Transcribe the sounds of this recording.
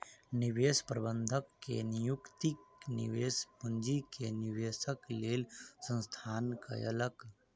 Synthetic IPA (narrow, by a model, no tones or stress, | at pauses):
niʋeːspɾəbənd̪ʱəkːḛnijukt̪iknḭʋeːspund͡ʒikeniʋeːsəkleːlsə̃nst̪ʰaːnka̰jə̰lək